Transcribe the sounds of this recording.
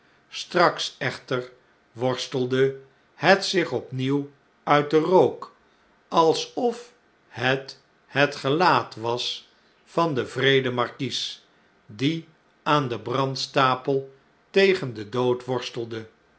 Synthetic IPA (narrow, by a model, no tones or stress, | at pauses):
strɑksɛχtər | ʋɔɹstəlˠdə | hətsɪχɔpniw | œɥt̚dərowk | ɑlˠsɔf | hət | hətχəlaːtʋɑs | fɑndəvrejdəmɑɹkis | di | ʔaːndəbrɑntstaːpəlˠ | tejχəndədowtʋɔɹstəlˠdə